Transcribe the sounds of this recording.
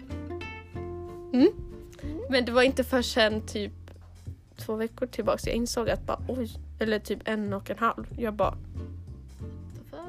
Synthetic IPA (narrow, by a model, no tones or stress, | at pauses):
m̩ː | mɛnd̪ɛvaɾɪnt̪əfœʂɛnːt̪ʰyːp̚ | t̪ʰvoːvɛkːʊʈʰɪlbɑ̰ːksjɑ̰ɡʔɪnsoːɡat̪̚bɑ̰ːɾʔɔjɛlːəʈʰyːpɛnɔkːɛnɦalvjœːɾbɑ̰ːɳ